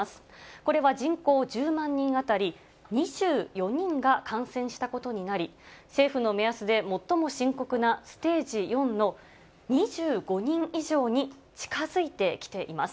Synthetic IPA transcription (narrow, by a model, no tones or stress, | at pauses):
asɨ̥ko̞ɾe̞βad͡ʑĩŋko̞ːʑɨːmãɲ̟ːĩŋ̃at̪aɾʲi | ɲ̟iʑ̥ɨːjo̞ɲ̟ĩŋɡakʰãɰ̃sẽ̞ɰ̃ɕi̥t̪ako̞t̪o̞ɲ̟inaɾʲise̞ːɸɯ̟no̞me̞asɨd̪e̞mo̞t̪ːo̞mo̞ɕĩŋko̞kɯ̟nasɨ̥t̪e̞ːʑijõ̞nːo̞ | ɲ̟iʑɨːɡo̞ɲ̟ĩɰʔiʑo̞ːɲ̟i | t͡ɕi̥kazɨit̪e̞kʲi̥t̪e̞ʔimas